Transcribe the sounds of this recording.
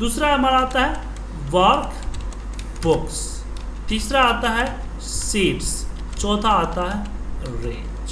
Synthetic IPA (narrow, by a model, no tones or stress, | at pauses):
d̪uːsɾaɦɛɦɐmaːɾaːt̪aɦɛ | ʋaːɾk | bʊks | t̪iːsɾaaːt̪aɦɛ | siːps | t͡ʃɔ̃ːt̪ʰaaːt̪aɦɛ | ɾḛːd͡ʒ